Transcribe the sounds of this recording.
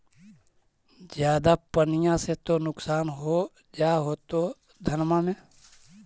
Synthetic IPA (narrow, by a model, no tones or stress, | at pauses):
d͡ʒjaːd̪apənɪjãset̪onʊksaːnɦoː | d͡ʒaːɦoːt̪oː | d̪ʱənmãːmẽː